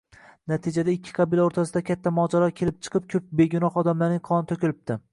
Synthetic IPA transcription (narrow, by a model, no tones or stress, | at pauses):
nat̪ʰid͡ʒad̪aɪkʲʰːɪ̥qʰɑbilaoɾt̪ʰasɪd̪akʲʰat̪ʰːamɒd͡ʒaɾɒkʲʰe̞lɪp̚t͡ʃʰɨ̥qʰɨp̚kʲʰɵp̚beɡʲʊnɒχɒd̪amlaɾnɪŋqʰɒnɪt̪ʰokʲɪlɪp̚t̪ɪ